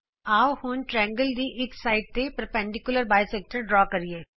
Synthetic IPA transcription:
aːhũnʈɾɛ̃ːŋɡəld̪iʔɪksaːɪʈ̚t̪epɾəpɛ̃ɳɖɪkjʊləɾbaːjseːk̚ʈəɾɖɾɔːkɐɾieː

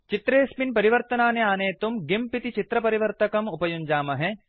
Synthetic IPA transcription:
t͡ʃit̪ɾeːspinpɐɾiʋɐɾt̪ɐnaːneaːneːt̪umɡimpit̪it͡ʃit̪ɾɐpɐɾiʋɐɾt̪ɐkɐmupɐjund͡ʒaːmɐɦɛ̃

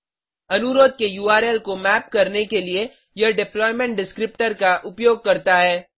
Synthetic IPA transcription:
ɐnʊɾoːd̪̚kejuːaːɾɛːlkomɛːp̚kɐɾnekelie | jɐɖɪplɔːɪmɛ̃ɳʈ̚ɖɪskɾɪp̚ʈəɾkaʔʊpjoːɡ̚kɐɾt̪aɦɛː

